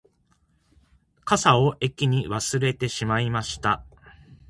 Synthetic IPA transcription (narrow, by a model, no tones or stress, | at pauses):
kasao̞ʔe̞kʲːiɲ̟iβasɨɾe̞t̪e̞ɕimaimaɕi̥t̪a